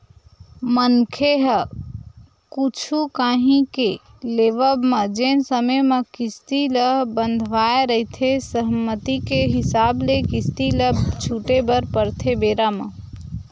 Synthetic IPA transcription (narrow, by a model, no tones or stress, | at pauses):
mənkʰeɦə | kut͡ʃʰukaɦĩke | leʋəbmed͡ʒensəmeməkist̪iləɦbənd̪ʱʋaeɾəɦit̪ʰesəɦmət̪ikeɦɪsablekist̪ilət͡ʃʰuʈebəɾpəɾt̪ʰebeːɾame